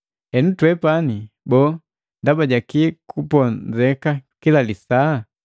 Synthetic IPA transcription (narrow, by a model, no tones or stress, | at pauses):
ɛnutwɛpani | bɔː | ndabaɟakikupɔzɛkakilalisa